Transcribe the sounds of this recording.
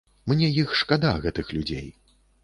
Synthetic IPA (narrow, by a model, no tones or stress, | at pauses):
mnʲɛjixʂkad̪aɣɛt̪ɨxlʲud͡zʲḛj